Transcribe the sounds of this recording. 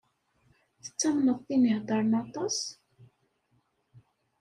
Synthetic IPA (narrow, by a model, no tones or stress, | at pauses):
θə̥t͡sːæmnəðˤθinihd̪ˤɑɾˤənɑt̪ˤɑs